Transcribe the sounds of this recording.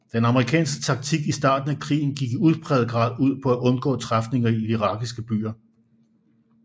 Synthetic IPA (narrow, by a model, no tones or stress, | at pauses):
d̥enɑ̈məʁikʰɛ̰ːnsɡ̥ə̥t͡sʰɑ̈ɡ̥̚t͡sʰiɡ̥isd̥ɑ̰̈ːd̥n̩ækʰʁḭːn̩ɡ̥iɡ̥iuðˠb̥ʰʁɛːð̩ˠɡ̥ʁɑ̰̈ːð̞ˠuð̞̰ˠpʰɒ̽æʔɔ̽nɡ̥ɔ̰̽ːt͡sʰʁafne̝ŋɐiiʁɑ̈ːɡ̥isɡ̥əb̥y̰ːɐ